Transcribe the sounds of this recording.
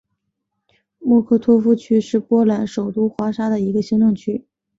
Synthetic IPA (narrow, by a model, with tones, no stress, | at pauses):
mwɔ˥˧kʰɤ˥˩t̪ʰwɔ˥fu˥t͡ɕʰy˥ʂɻ̩˥˩pwɔ˥la˧˥nʂo˨˩ʊt̪u˥˩xwa˧˥ʂa˥d̪ə˨i˧˥ɡə˧ɕi˧˥ŋt̪ʊ˥˩ŋt͡ɕʰy˥